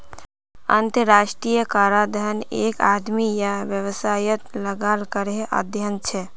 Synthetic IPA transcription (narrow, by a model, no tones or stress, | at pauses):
ə̰nt̪əɾaʃʈɾijəkaɾad̪ʱənekad̪mijaʋjəwəsajət̪ləɡalkəɾeʔə̰d̪ʱjənt͡ʃʰɛ